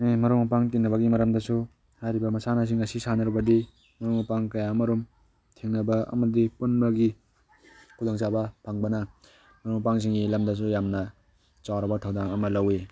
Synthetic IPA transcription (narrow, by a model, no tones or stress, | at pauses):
nemɐɾɔwmɐpaŋtinːɐbɐɡimɐɾɐmdɐsu | hajɾibɐmɐsanas̬iŋɐsisanaɾbɐdi | mɐɾomɐpaŋkɐjamɐɾum | tʰeŋnɐbɐɐ̰mɐdipunbɐɡi | kʰud̪ɔŋt͡ʃabɐpʰaŋbɐnɐ | mɐɾɔwmɐpaŋs̬iŋɡilɐmdas̬ujamnɐ | t͡ʃawɾɐbɐtʰawdaŋɐmɐlawe